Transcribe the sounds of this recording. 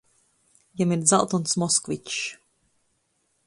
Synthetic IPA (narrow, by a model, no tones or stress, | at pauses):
jamiɾza̰lˠt̪ɔnsmɔskvit͡ʃ